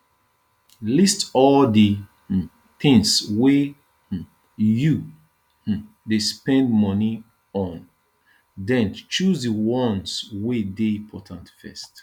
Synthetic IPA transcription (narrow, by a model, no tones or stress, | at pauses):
listɔldi | θĩŋswe | ju | despɛ̃ndmɔni | ɔ̃n | dɛ̃nt͡ʃuzdəwɔ̃nswedeĩpʰɔtʰãntfɛ̰st